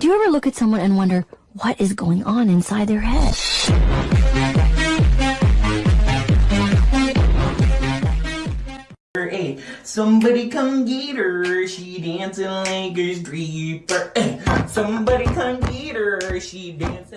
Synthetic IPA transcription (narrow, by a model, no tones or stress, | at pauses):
d̥ɨjɨɛvə˞lʊkɨtsʌ̃mwʌ̃nɨ̃nwʌ̃ndə˞ | wʌɾʔɨzɡoʊɪ̃ŋʔə̃nɪ̃nsaɪd̪̚ðə˞ɦɛd̥ | ə˞ʔeɪtsʌ̃mbɑɾikʰʌ̃mɡiɾə˞ʃidæ̃nsɨ̃nlẽɪɡɨ˞zdɹipə˞sʌ̃mbɑɾikʰʌ̃mɡiɾə˞ʃidæ̃ns